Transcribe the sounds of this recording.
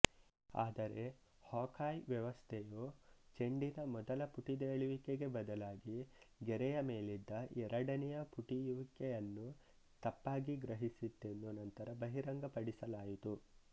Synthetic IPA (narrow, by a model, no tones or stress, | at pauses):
a̰ːd̪ɐɾe̞ | haːkʰaːjʋjɐʋɐst̪ʰɛjot͡ʃe̞ɳɖinɐmɔd̪ɐlɐpuʈid̪eːɭiʋikeɡe̞bɐd̪ɐlaːɡiɡɛɾɛjɐme̞ːlid̪ːɐʔɛɾɐɽɐnɛjɐpuʈijuʋikːejɐnːu | t̪ɐpːaːɡiɡɾɐɦisit̪ːenːunɐnt̪ɐɾɐbɐɦiɾɐŋɡɐpɐɽisɐlaːjit̪u